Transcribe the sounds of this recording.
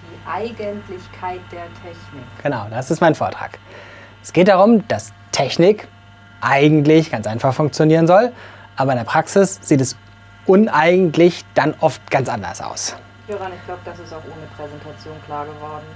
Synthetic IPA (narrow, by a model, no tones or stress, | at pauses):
d̥iːʔaɪɡəntlɪçkʰaɪt̚d̥eːɐtʰɛçnɪkɡ̥ənaʊd̥asɪstmaɪnfoːɐtʁ̥a̰ːk | ʔɛsɡ̥eːt̚d̥aʁʊmd̥as | tʰɛçnɪk | ʔaɪɡŋ̩tlɪçɡ̥ant͡sʔaɪnfaχfʊŋkt͡sjoniːʁ̞ənzɔl | ʔaːbɐɪndeːɐpʁ̥aksɪsz̥iːtɛs | ʔʊnʔaɪɡŋ̩tʰlɪçd̥anʔɔft̚ɡ̥ant͡sʔandɐ̰sʔa̰ʊs | høːʁanɪçɡ̥laʊbəd̥asɪstaʊxʔoːnəpʁ̥ɛzɛntʰat͡sjoːnkʰl̥aːɐɡəvɔɐdn̩